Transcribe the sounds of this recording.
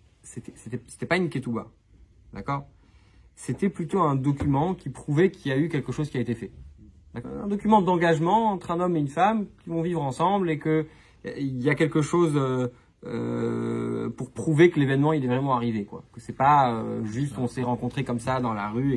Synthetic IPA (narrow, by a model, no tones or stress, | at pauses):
set̪ɛset̪ɛse̥t̪ɛpaynkʲɛt̪uba̰ | d̪akɔːʁ | set̪ɛplyt̪oɛ̃d̪ɔkʲymɑ̃kʲipχuvɛkʲiljaykʲɛlkəʃozkʲiaet̪efɛd̪akɔ̰ɛ̃d̪ɔkʲymɑ̃d̪ɑ̃ɡaʒmɑ̃ːt̪χɛ̃nɔmeynfamkʲivɔ̃vivʁɑ̃sɑ̃blekə | iljakʲɛlkəʃozø | ø̰ | puʁpχuvekəlevɛnmɑ̃ilɛvʁɛmɑ̃aʁivekwa̰kəsɛpaø̰ʒyst̪ɔ̃sɛʁɑ̃kɔ̃t̪χekɔmsad̪ɑ̃la̰ʁye